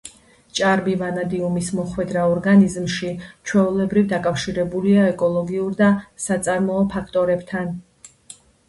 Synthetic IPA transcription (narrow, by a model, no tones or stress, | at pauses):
t͡ʃʼaɾbivanad̪iumismɔχwɛd̪ɾaɔɾɡanizmʃit͡ʃʰwɛulɛbɾivd̪akʼafʃiɾɛbuliaɛkʼɔlˠɔɡiuɾd̪asat̪sʼaɾmɔɔpʰakʰt̪ʼɔɾɛbt̪ʰan